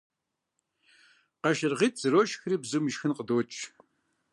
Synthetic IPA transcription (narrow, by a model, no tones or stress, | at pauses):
qɐʃɪrʁiːtʰʼz̥ɨɾoːʃxɨriːbzumɨʃxɨnqədoːt͡ʃʼ